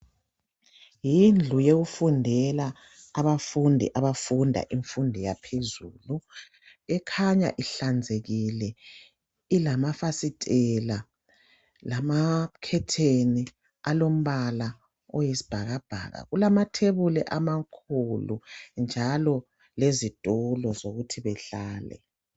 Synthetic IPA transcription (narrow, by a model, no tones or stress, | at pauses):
jind͡ɮʱujeɣufundʱɛlaː | βafundʱḭʔaβafundʱa̰ʔiɱfundʱijapʰezuːlu | ɛkʰaɲa̰ʔiɬand͡zʱeɣilɛ | ilamafasitʼɛla | lamakʰɛtʰeni | alom̩βala | ɔjesi̥b̥ʱaɣab̥ʱa̰ːɣa̰ɣulamatʰeβulɛʔamakʰulṵnd͡ʒʱalɔ | lezitʼulɔzoɣutʰiβɛɬaːlɛ̰